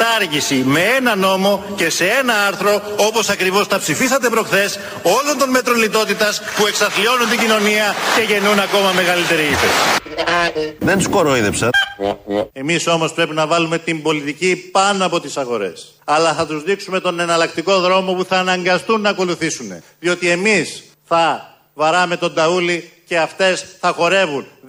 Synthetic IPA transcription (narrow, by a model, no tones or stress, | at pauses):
t̪ɐɾʝisime̞enɐno̞mo̞ce̞se̞e̞nɐɐɾθɾo̞o̞po̞sɐkɾivo̞st̪ɐpsifistɐt̪e̞pɾo̞kθe̞s | o̞lont̪o̞nme̞t̪ɾo̞nlit̪o̞t̪it̪ɐspue̞ksɐθlio̞nunt̪iɟino̞niɐce̞ʝe̞nunɐko̞mɐme̞ɣɐlit̪e̞ɾiipes | ðenskoɾoiðepsɐt̪ | e̞miso̞mo̞spɾe̞pinɐvɐlume̞t̪imbo̞lit̪icipɐnoɐpo̞t̪isɐɣo̞ɾe̞̰s | ɐlɐθɐt̪uzðiksume̞t̪o̞nenɐlɐk̚t̪iko̞ðɾo̞mo̞puθɐːnɐŋɡɐst̪unːɐːko̞luθisune̞̰ | ðio̞t̪ie̞mis | θɐ | vɐɾɐme̞t̪o̞nd̪ɐulice̞ɐft̪e̞sθɐxo̞ɾe̞vun